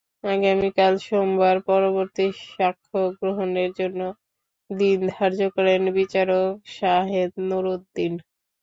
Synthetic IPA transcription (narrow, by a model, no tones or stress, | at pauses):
aɡamikalʃombaɾpɔɾoβoɾt̪iʃakʰːoɡɾoɦoneɾd͡ʑonːo | d̪ind̪ʱaɾd͡ʑokɔɾenbit͡ɕaɾokʃaɦed̪noɾod̪ːin